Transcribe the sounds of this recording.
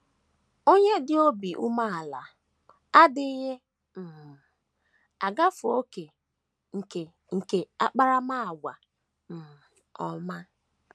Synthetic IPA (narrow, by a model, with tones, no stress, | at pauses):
o˦ɲe˦dɪ˦o˦bi˨ʔu˦ma˦˨a˨la˨ | a˦dɪ˦ɣe˦ | m̩˨ | a˨ɡa˦fʊ˨o˦ke˨ | ŋ̩˨ke˨ | ŋ̩˨ke˨a˦k͡pa˦ɾa˦ma˦a˨ɡʷa˨ | m̩˨ | ɔ˨ma˦